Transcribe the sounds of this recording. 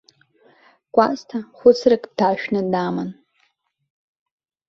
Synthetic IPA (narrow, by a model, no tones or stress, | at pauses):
kʷʼaztʰaχʷʊt͡sʰrɨkʼd̥aːʃᶣnɨdaman